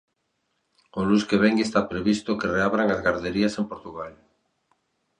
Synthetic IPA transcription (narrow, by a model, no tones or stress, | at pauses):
oluskeβɛŋɡest̪apɾeβist̪okereaβɾaŋazɣaɾðeɾiasempoɾt̪uɣal